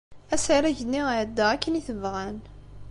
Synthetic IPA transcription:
æsaɾæʝənːiʕəd̪ːæækːəniθəvʁæn

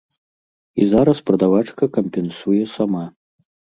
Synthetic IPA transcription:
ḭzaɾɐspɾɐd̪avat͡ʂkɐkɐmʲpʲɛnsujɛsama

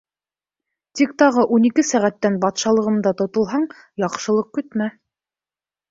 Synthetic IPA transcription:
t̪ik̚t̪ɑʁɤʔunikɘsæʁæt̪ːænbɑt̪ʃɑlˠɤ̆ʁɤ̆md̪ɑt̪ŏt̪ŏlˠɦɑɴ | jɑqʃɤ̆lˠɤq̚kɵ̆t̪mæ

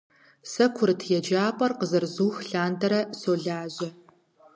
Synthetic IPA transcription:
sɐkʷʰʊrtʰjɛd͡ʒaːpʼɐrqəzɨrzuːxɬaːndɐɾɐsoːɮaːʑɐ

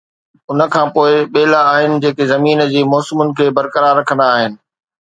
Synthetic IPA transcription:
ʊnə̆kʰãːpoːɪɓeːlaːɦɪnɪ̆d͡ʑeːkezɐmiːnəd͡ʑiːmɔːsɪmʊnɪ̆kʰeːbɐɾkəɾaːɾːɐkʰə̃nd̪aːɦɪnɪ̆

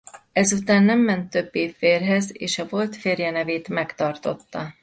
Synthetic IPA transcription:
ɛzut̪aːnːɛmːɛnt̪ːø̞bːeːfeːrɦɛzḛːʃɒvo̞lt̪feːrjɛnɛveːt̪mɛkt̪ɒrt̪o̞̰t̪ːɒ

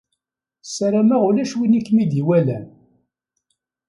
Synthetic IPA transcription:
saɾamæʁulæʃwinikːmid̪iwælæ̰n

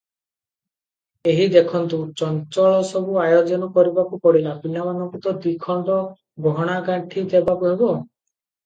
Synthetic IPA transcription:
eɦid̪ekʰɔnt̪ut͡ʃɔnt͡ʃɔɭɔsɔbuajod͡ʒɔnɔkɔɾibakupɔɽilapinamanɔŋkut̪ɔd̪ikʰɔnd̪ɔ | ɡɔɽ̃aɡaɳʈʰid̪ebakuɦebɔ

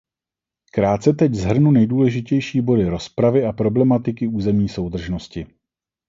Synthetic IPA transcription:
kɾaːt̪t͡sɛt̪ɛczɦr̩nunɛjduːlɛʒɪcɛjʃiːbo̞dɪɾo̞spɾavɪapɾo̞blɛmat̪ɪkɪuːzɛmɲiːso̞wd̪r̩ʒno̞scɪ

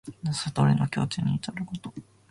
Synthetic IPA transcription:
nasat̪oɾʲinokʲo̞ːt͡ɕɨɲ̟iːt̪aɾɯkot̪o̥

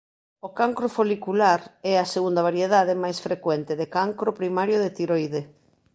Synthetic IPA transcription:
okaŋkɾofolikulaɾɛaseɣund̪ɐβaɾjeðaðemajsfɾekwɛnt̪eðekaŋkɾopɾimaɾjoðet̪iɾojðe

